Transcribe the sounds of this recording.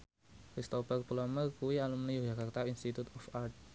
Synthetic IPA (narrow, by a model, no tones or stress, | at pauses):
kɾist̪opərpulɔmərkuwialumnijod͡ʒakart̪ainst̪it̪ut̪ɔfarʈ̚